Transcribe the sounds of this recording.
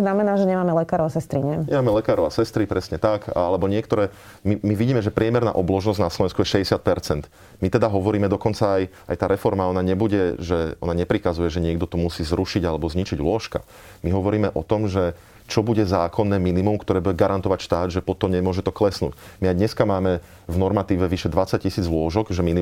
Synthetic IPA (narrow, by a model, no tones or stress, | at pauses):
znamɛnaːʒɛɲɛmaːmɛlɛkaːɾɔʊasɛst̪ɾiɲɛɲɛmaːmɛlɛkaːɾɔʊasɛst̪ɾipɾɛsɲɛt̪akalɛbɔɲɪɛkt̪ɔɾɛː | mimiʋiɟiːmɛʒɛpɾɪɛmɛɾna̰ːʔɔblɔʒnɔznaslɔʋɛnskujɛʃɛɟɛsɪat̪̚pɛɾt͡sɛnt̪ | mit̪ɛd̪aɦɔʋɔɾiːmɛd̪ɔkɔnt͡saːj | a̰jt̪aːɾɛfɔɾmaɔnaɲɛbuɟɛʒɛɔnaɲɛpɾikazujɛʒɛɲɪɛɡd̪ɔt̪ɔmusiːzɾuʃiɟalɛbɔzɲit͡ʃiɟlʊɔʃka̰ | miɦɔʋɔɾiːmɛʔɔt̪ɔmʒɛ | t͡ʃɔbuɟɛzaːkʰɔnːɛːminimumkt̪ɔɾɛːbuɟɛɡaɾant̪ɔʋacʃt̪aːd̪ʒɛpɔt̪ɔmɲɛmʊɔʒɛt̪ɔklɛsnṵːɟmiajd̪ɲɛskamaːmɛ | vnɔɾmat̪iːʋɛʋiʃɛd̪ʋat͡sac̚cːisiːd͡zʋlʊɔʒɔɡʒɛmini